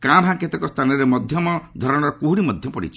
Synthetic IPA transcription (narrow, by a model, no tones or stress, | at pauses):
kãbʱãket̪ekɔst̪ʰanɔɾemɔd̪ʱjɔmɔd̪ʱɔɾɔɽ̃ɔɾkuɦuɽimɔd̪ʱjɔpɔɽḭt͡ʃʰi